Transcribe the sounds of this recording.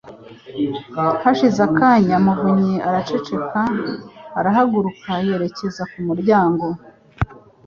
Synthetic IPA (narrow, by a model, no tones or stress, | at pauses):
haʃizakaːɲamuvuɲiaɾat͡ʃe̞t͡ʃe̞kaː | ɾaɦaɡuɾukʰahe̞ɾe̞ce̞zakumuɾɟaːŋɡo̞